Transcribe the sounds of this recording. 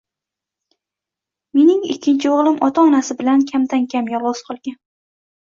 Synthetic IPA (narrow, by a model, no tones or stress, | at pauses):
me̞nɪŋɪ̰kʲʰːɪnt͡ʃʰɪoʁlˠɪmʔɒt̪ʰaɒnasɪbɪlankʲʰamd̪ankʲʰamjɒvɒz̥qʰɒlˠɡʲan